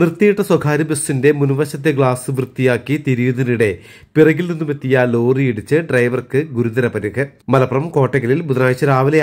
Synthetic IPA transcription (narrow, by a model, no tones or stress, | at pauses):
nrɨt̪ːijiʈːɐswɐɡʰʱaːɾɐbesːinde̞munuʋɐɕɐt̪̬ːjɐɡɭaːsɨʋrɨt̪ːijaːkːit̪iɾujuðɐniɽe̞ | pirɐɣilninːumet̪ːijɐlo̞ːrijiɽit͡ɕːɨɖrɐjʋɐrkɨɡuɾuðɐɾɐpɐɾiɣɨmɐlɐpɐrɐmko̞ːʈːɐɣɐlilbuðɐnaːjt͡ɕːɐɾaːʋɐlɐ